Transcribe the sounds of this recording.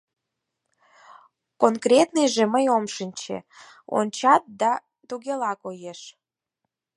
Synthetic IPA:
konkrʲet̪nɨjʒeməjomʃənʲt͡ɕḛ | o̰nʲt͡ɕɑt̪̚d̪ɑ | t̪uɣʲelɑkojeʃ

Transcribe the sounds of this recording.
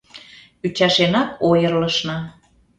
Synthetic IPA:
yt͡ɕɑʃenɑkojərləʃnɑ

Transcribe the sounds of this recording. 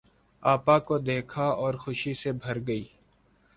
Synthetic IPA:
aːpakod̪eːkʰaɔːɾxʊʃisebʱɐɾɡəiː

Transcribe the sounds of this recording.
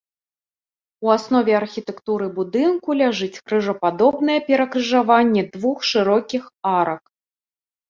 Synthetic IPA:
uasnɔvʲɛɐrxʲit̪ɛkt̪uɾɨbud̪ɨnkulʲaʐɨt͡sʲkɾɨʐɐpad̪ɔbn̪ɐjɛpʲɛɾɐkrɨʐavanʲːɛd̪vuxʂɨɾɔkʲixaɾɐk

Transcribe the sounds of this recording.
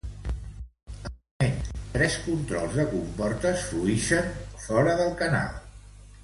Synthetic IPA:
əment̪ɾɛskunt̪ɾɔ̰lˠzðəkumpɔrt̪əsfluiʃənfɔɾəðəlˠkəna̰lˠ

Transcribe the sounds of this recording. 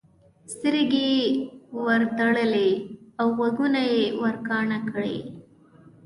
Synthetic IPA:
st̪əɾɡe | wəɾt̪aɽəleawwaɡunajewəɾkɑɳakəɽḛ

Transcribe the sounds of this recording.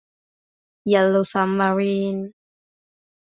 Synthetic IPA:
jalosamːaɾiːn

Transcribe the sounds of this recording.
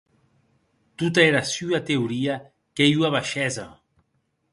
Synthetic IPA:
t̪ut̪̬aeɾasyat̪euɾia | kejuaβaʃɛza̰

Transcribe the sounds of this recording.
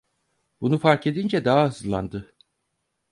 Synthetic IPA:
b̥unufaɾke̞d̪ind͡ʒɛd̪aɦaɯzlˠːa̰nd̪ɯ

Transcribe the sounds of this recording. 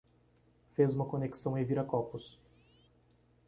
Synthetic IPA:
fezũmɐkoneksɐ̃w̃ẽj̃viɾɐkɔpus

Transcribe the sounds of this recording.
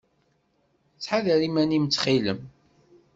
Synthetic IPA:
t͡sːħaðəɾimænimt͡sːχiləm

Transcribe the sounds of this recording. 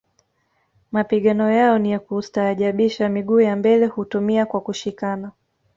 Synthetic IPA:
mapiɠanɔjaɔnijakustaːʄaɓiʃamiɠuːjambɛlɛhutumiakwakuʃikana

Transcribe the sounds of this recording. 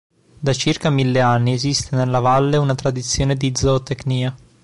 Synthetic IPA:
d̪at͡ʃirkamilːeanːiezist̪enelːavalːeunat̪ɾad̪it̪sːjoːned̪iːd̪zot̪ekniːa

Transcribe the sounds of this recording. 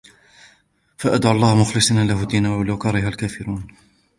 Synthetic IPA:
faʔad̪ʕʊlˤːɑːhmʊxlɨsˤnalaɦʊd̪ːiːnawwalawkɑɾˤɪɦalkaːfɪɾuːn

